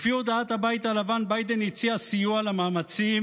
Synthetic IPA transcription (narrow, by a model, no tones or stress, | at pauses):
fio̞d̪aat̪habait̪alavanbajd̪e̞nit͡siasijualamaːmat͡sim